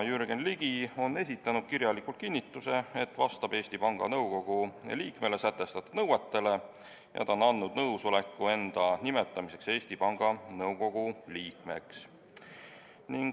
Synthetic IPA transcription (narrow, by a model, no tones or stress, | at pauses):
jyɾɡenliɡ̥io̞nːe̞sit̪ːˑɑnud̪̥̚kiɾjɑlikult̪̚kinʲːit̪ːˑuse̞et̪ːˑvɑst̪ɑb̥e̞ːsʲt̪ipɑŋɡ̥ɑ̰nɤwko̞ɡ̥uliːkme̞le̞sæt̪ːˑe̞st̪ɑt̪ːud̪̥nɤwɑt̪ːe̞le̞ | jɑ̰t̪ɑonːɑnːud̪̥nɤwsole̞kːue̞nd̪̥ɑnime̞t̪ːˑɑmise̞kse̞ːst̪ipɑŋɡ̥ɑnɤwko̞ɡ̥uliːkme̞ks | niŋɡ